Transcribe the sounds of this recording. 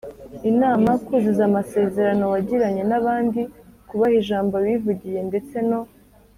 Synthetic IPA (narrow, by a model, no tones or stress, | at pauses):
inaːmakuːzizamase̞ːze̞ɾano̞waɟiɾaɲe̞naβaːndikuβahiʒaːmboβivuɟije̞nde̞t͡se̞no̞